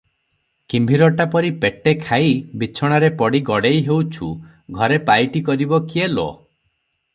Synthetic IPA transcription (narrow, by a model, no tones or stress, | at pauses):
kimbʱiɾɔʈapɔɾipeʈekʰaibit͡ʃʰɔɽ̃aɾepɔɽiɡɔɽejɦewt͡ʃʰu | ɡʱɔɾepajʈikɔɾibɔkielo̰